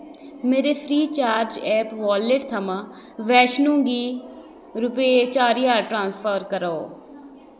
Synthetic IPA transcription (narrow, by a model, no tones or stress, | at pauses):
meːɾeːpʰɾiːt͡ʃaːɾd͡ʒɛːpʋaːleʈt̪ʰəmãː | ʋɛːʃnõːɡiː | ɾʊpeet͡ʃaːɾiːaːʈɾãːnspʰəɾkəɾao̰ː